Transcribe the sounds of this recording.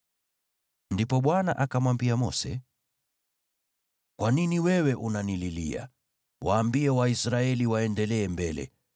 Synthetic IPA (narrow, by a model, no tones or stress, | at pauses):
ndipɔɓwana̰ʔakamwambiamɔ̰sɛ̰ | kwaniniwɛwɛʔunanililḭa̰ | waːmbiɛwaisɾaɛliwaɛndɛlɛːmbɛlɛ̰